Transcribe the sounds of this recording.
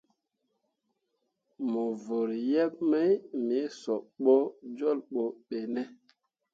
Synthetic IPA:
mo˨vo˨ɾjɛ˦p̚ma˦jmi˨˦sɔ˨ɓo˦d͡ʒɔ˦˨lɓo˨ɓe˨nɛ˦

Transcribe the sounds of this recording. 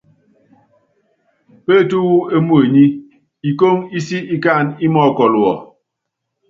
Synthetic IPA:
pe˦˨tu˦wu˦e˦mu˦e˨ɲi˦ | i˨ko˦ŋi˦si˦i˦ka˦˨ni˦mɔ˦˨kɔ˨lwɔ̰˨

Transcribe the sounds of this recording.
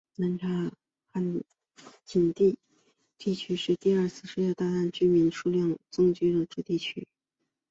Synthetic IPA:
na˧˥nʈ͡ʂʰa˧˥ | xa˥˩n | t͡ɕi˨˩nt̪i˥˧ | t̪i˥˩t͡ɕʰy˥ʂɻ̩˥˧t̪i˥˧ɐ˥˧t͡sʰɹ̩˥˧ʂu˥˧jɑ˥˧t̪a˥˧t̪a˥˩nt͡ɕy˥mi˧˥nʂu˥ljɑ˥˩ŋt͡sʊ˥ŋt͡ɕy˥d̪ə˨˧ʈ͡ʂu˥˧t̪i˥˩t͡ɕʰy̰˥

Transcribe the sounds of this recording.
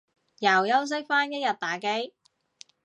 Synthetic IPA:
jɐ˨˩wjɐ˥ws̬ɪ˥k̚faː˥njɐ˥jɐ˨˩t̚t̪aː˨˥ke˥j

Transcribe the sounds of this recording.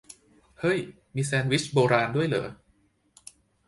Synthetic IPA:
hɤ˦˥˩j | miː˧s̬ɛː˧nwi˦˥t͡ɕʰboː˧ɾaː˧ndu˥˩əjlɤ̰ː˨˧

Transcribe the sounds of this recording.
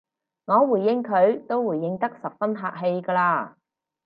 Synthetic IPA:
ŋɔː˨˧wuː˨˩jːɪ˧ŋkʰɵ˨˧ɥt̪o˥wwuː˨˩jːɪ˧ŋt̪ɐ˥k̚sɐ˨p̚fɐ˥nɦaː˧k̚ɦe˧jkɐː˧laː˧

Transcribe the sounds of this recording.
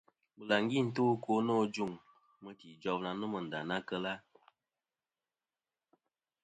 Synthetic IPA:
bə˨la˨ŋ˦ɡi˦˨n̩˦to˦ko˦no˦d͡ʒu˦˨ŋ | mə˦ti˨d͡ʒɔ˦bna˨nə˦mə˨n̩˨da˨na˦kə˦la˦

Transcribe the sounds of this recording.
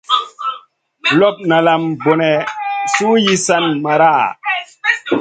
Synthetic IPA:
lɔ˦p̚na˨la˨mbo˨nɛ˨suː˦ji˦sa˦nma˨ɾa˦˨

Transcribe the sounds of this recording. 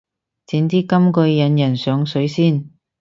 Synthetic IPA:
t͡siː˨˧nt̪iː˥kɐ˥mkɵ˧ɥjɐ˨˧˥njɐ˨˩nsœː˨˧ŋsɵ˨˥ɥsiː˥˩n

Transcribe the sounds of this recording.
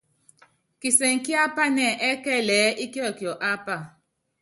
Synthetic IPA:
ki˨se˨ŋ̩˨ki˦a˦pa˦nɛ˦˨ʔɛ˦kɛ˦˨lɛː˨˦ʔi˦ki˦ɔ˦˨ki˨ɔ˨ʔa˦pa˦˨

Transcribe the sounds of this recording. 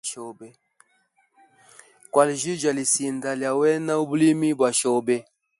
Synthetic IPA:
ʃɔ˨bɛ˦ | kwa˨li˨ʒi˦d͡ʒa˨li˨si˨nda˨lja˨wɛ˦na˦u˦bu˦li˦mi˦bwa˨ʃɔ˦bɛ˦

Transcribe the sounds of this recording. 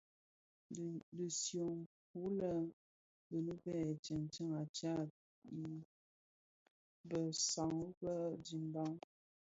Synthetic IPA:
də˨sjo˨ŋk̚u˨˦lə˦ | bə˨nə˦bɛ˦˨t͡ʃə˨nt͡ʃə˦ŋa˨t͡ʃa˦˨ | i˨ | bə˨sa˨ŋ˦bə˦di˨m˦ba˦ŋ

